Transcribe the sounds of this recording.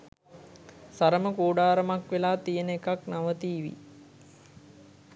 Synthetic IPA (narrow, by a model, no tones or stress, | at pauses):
saɾəməkuːɖaːɾəmakʋelaːt̪ijənəekaknaʋət̪iːʋḭ